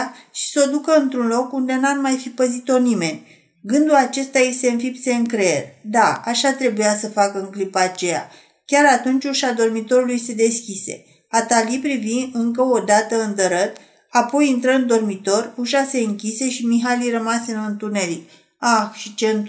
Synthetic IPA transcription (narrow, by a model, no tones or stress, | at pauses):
tʃi̥so̞d̪ukəɨnt̪ɾunlo̞kund̪e̞nat̪majfipəzit̪o̞nime̞nʲ | ɡɨnd̪ulat͡ʃe̞st̪aje̞st̪e̞ɨnfipse̞ɨŋkɾerd̪aaʃat̪ɾe̞bujasəfakəɨŋklipaːt͡ʃe̞ja̰ | kʲaɾat̪unt͡ʃʲuʃad̪o̞rmit̪o̞ɾulujst̪ed̪e̞skʲise̞̰ | at̪alipɾiviɨŋkəo̞d̪at̪əɨnd̪əɾət̪ | apo̞jint̪ɾəɨnd̪o̞rmit̪o̞ruʃase̞ɨŋkʲise̞ʃimiɦalirəmaseɨnɨnt̪une̞ɾik | axʃit͡ʃe̞ɨn